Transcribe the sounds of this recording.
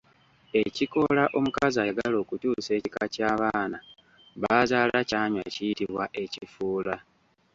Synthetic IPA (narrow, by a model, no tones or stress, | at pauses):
e̞ciko̞laʔo̞mukazajeɡalo̞ːkutuːse̞ːcikacaːβaːna | βazaːlacaːɲwa̰cijitiβwaʔe̞cifuːla